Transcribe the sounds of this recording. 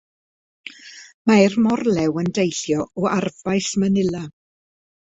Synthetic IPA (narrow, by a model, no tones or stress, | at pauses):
maɛrmɔrlˠɛwəndejɬjɔɔarvajsmənɪlˠa